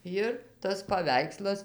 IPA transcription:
ˈjɪr tɐs pɐˈʋʲɛɪkslˠɐs

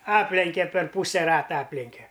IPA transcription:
ˈɑːpʲlʲɛŋʲkʲɛ pʲɛr ˈpuːsʲɛ ˈrɑːtɐ ˈɑːpʲlʲɛŋʲkʲɛ

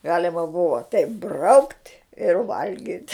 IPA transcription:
ˈɡɑːlʲɛmɐ ˈbʊʋɐ tʲɛɪp brɐʊktʲ ɪr ˈʋɐlʲɡʲɪtʲ

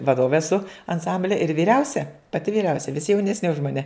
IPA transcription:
ʋɐˈdoːʋʲeː ɛˈsʊ ɐnˈsɐmʲbʲlʲɛ ɪr ʋʲiːˈrʲɛʊsʲɛ pɐˈtʲɪ ʋʲiːˈrʲɛʊsʲɛ ʋʲɪsʲɪ jɛʊnʲɛsʲˈnʲɪ ʊʃ mɐˈnʲɛ

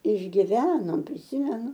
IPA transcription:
ɪʒʲɡʲɪˈʋʲæːnoːm pʲrʲɪˈsʲɪmʲɛnʊ

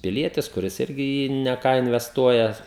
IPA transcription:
pʲɪˈlʲiɛtʲɪs kʊˈrʲɪs ˈɪrʲɡʲɪ ɪ ˈjiː nʲɛ ˈkɑː ɪnʲʋʲɛsˈtuɔjɛ

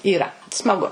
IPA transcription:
iːˈrɐ smɐˈɡʊ

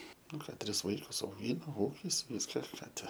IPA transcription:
ˈnʊ ˈkɑː ˈtʲrʲɪs ˈʋɐɪkʊs ɐʊˈɡʲiːnɐ ˈuːkʲɪs ˈʋʲɪskɐ ˈkɑː ˈtʲɛ

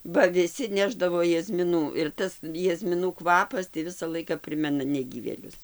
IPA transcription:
bɐ ʋʲɪˈsʲɪ ˈnʲæːʒdɐʋoː jɛzʲmʲɪˈnuː ɪr ˈtɐs jɛzʲmʲɪˈnuː ˈkʋɑːpɐs ˈʋʲɪsɐ ˈlˠɐɪkɐ ˈpʲrʲɪmʲɛnɐ nʲɛˈɡʲiːʋʲeːlʲʊs

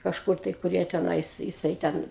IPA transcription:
kɐʃˈkʊr tɐɪ kʊr ˈjiɛ tʲɛˈnɐɪs jɪˈsɐɪ ˈtʲɛn

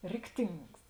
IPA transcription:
ˈrʲɪkˌtʲɪŋks

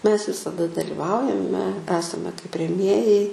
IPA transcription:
mʲɛs ʋʲɪsɐˈdɐ dɐlʲɪˈʋɐʊjɛmʲɛ ˈæːsɐmʲɛ kɐɪp rʲɛˈmʲeːjɛɪ

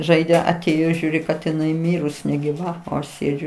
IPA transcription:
ˈʒɐɪdʲeː ɐˈtʲeːjoː ˈʒʲuːrʲɪ kɐt ɪˈnɐɪ ˈmʲiːrʊs nʲɛɡʲɪˈʋɐ oː ˈɐʃ ˈsʲeːd͡ʒʲʊ

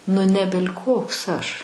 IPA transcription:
nʊ ˈnʲæːbʲɛlʲ kˈoːks ˈɐʃ

